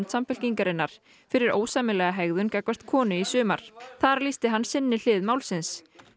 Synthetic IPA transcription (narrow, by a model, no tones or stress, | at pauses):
nt̪samfɪl̥ciŋkaɾɪnːaɾ̥ | fɪɾɪɾo̰ːwsamɪlɛɣaɦɛɣðʏncakvḁt̪kʰɔːnʏisʏːmaɾ̥θaɾlist̪ɪɦanːsɪnːɪl̥ɪːðmaːwlsɪns